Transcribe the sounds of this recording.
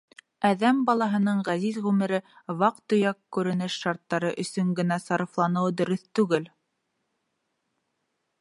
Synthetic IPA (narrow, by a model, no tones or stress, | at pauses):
æðæmbɑlˠɑɦɤ̆nɤɴʁæzizʁʉmɘ̆ɾɘ | βɑq̚t̪ɵ̆jɑkkːʉɾɘ̆nɘʃːɑɾt̪ːɑɾɤʔɵ̆sɵŋɡɘ̆næsɑɾɤ̆flˠɑnɤwd̪ɵ̆ɾɵθt̪ʉɡɘl